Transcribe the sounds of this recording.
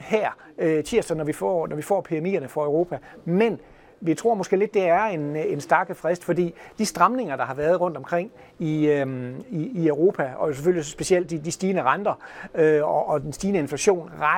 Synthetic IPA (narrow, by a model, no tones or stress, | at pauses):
hæɐ̰ | t͡sʰiɐ̰sɑnɒʋifɒ̰nɒʋifɒ̰ːpʰiemḭːɐnəfɒ̽øʊʁo̝ːpʰæmen | ʋit͡sʰʁo̝ɐ̰mɒ̽sɡ̥e̝̰ːle̝d̥ːe̝æɐe̝nensd̥æɐɡ̥əfʁɛsd̥fɒ̽dḭːd̥isd̥ʁɑ̈mne̝ŋɐd̥ɑ̈hɑ̈ʋæːɐð̞̩ˠʁɔ̽n̰d̥ɒ̽mkʰʁeŋ̰ | i | iːœʊʁo̝ːpʰæɒjo̝seføl̰isɒsb̥e̝siel̰d̥id̥isd̥iːnəʁɑ̈nd̥ɐøɒʔɒ̽d̥ensd̥iːnəe̝nflæɕo̝̰ːnʁɑ